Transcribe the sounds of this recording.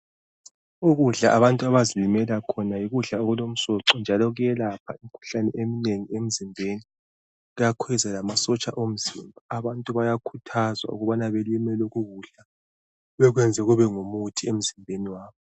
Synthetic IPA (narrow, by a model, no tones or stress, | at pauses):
uɣuɮaʔaβantʼuaβazilimɛlakʰɔnajiɣuɮaoɣulom̩sɔǁɔnd͡ʒʱalɔɣujɛlapʰaim̩kʰu̥ɬanɛʔemineŋiem̩zimbʱeːni | ɣujakʰwɛzɛlamasɔt͡ʃʼaʔom̩zimbʱaaβantʼuβajakʰutʰazwa̰ṵɣuβanaβelimɛloɣuɣuɮa | βɛɣwɛnd͡zʱɛɣuβɛŋumutʰiem̩zimbʱeniwaːβɔ